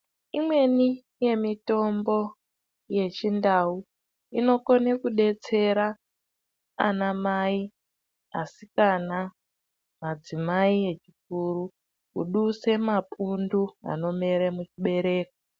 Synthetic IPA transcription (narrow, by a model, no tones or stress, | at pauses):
imwe̞ni | je̞mito̞mbo̞ | je̞t͡ʃindau | ino̞ko̞nekuɗe̞t͡se̞ɾa | a̰namai | asikana | mad͡zimaie̞t͡ʃik̚uɾu | kṵɗuse̞mapundua̰no̞me̞ɾemut͡ʃiɓe̞ɾe̞ːko